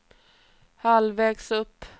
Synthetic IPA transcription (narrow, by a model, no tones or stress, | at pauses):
halvɛːɡsɵpː